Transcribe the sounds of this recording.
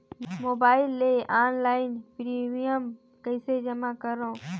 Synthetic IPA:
moːbaːɪlːeːʔaːnlaːɪnpɾiːmijəm | kəɪseːd͡ʒəmaːkəɾõː

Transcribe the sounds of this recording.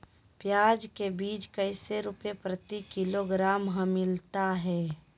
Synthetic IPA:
pjaːd͡ʒkebiːt͡ʃkɐɪseɾʊpjepɾət̪ikɪloɡɾaːmɦə̃mɪlt̪aɦɛː

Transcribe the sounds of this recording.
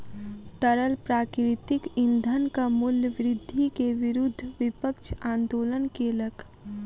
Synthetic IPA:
t̪əɾəlpɾaːkɾɪt̪ɪkɪ̃nd̪ʱənkamʊljəʋɾɪd̪ʱːikeʋɪɾʊd̪ʱːʋɪpəkʃʰãːnd̪oːlənkeləkʰ

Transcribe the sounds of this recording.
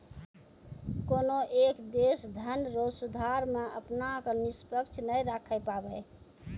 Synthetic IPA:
konoʔekd̪esd̪ʱənɾosud̪ʱaɾmeəpnakənispəkt͡ʃʰnəjɾakʰɛpabɛ

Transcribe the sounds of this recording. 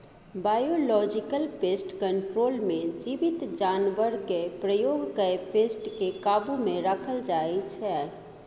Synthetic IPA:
baːjoːlɔːd͡ʒɪkəlpeːsʈkə̃ɳʈɾoːlmẽd͡ʒiʋɪt̪d͡ʒaːnʋəɾɡepɾəjoːɡkəepeːsʈkekaːbumẽɾəkʰəld͡ʒaːit͡ʃʰɛ

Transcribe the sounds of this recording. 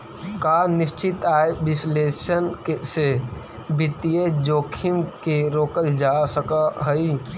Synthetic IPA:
kanɪst͡ʃɪt̪aːebɪsleːsənkese | bɪt̪ijed͡ʒoːkʰimkeɾoːkəld͡ʒasəkaɦəi

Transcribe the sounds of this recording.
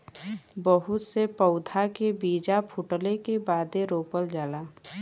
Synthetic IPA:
bəɦʊt̪sepəʊd̪ʱakebiːd͡ʒapʰʊʈəlekebaːd̪eɾoːpəld͡ʒaːlaː

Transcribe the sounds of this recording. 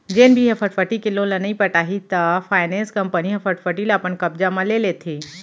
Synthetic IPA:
d͡ʒeːnbʱiɦɐpʰəʈfʰəʈikɪlolɐnɐĩpɐʈaːɦit̪afʰaːɪnɛ̃ːnskɐ̃mpəniɦɐfʰəʈfʰəʈilapənkɐb̚d͡ʒamãleːlet̪ʰeː

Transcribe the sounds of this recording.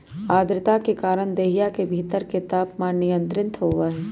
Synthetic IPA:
aːd̪ɾɪt̪akekaːɾəɳ̃d̪eːɦijakebʱiːt̪əɾket̪aːpmãnɪjə̃nt̪ɾɪ̃nt̪ʰɦoːʋaɦɛː

